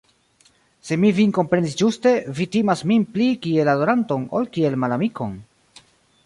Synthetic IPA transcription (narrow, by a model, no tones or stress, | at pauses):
se̞miviŋko̞mpɾe̞ndisd͡ʒuste̞vitimasminplikie̞lado̞ɾanto̞no̰lkie̞lmalamikʰo̞̰n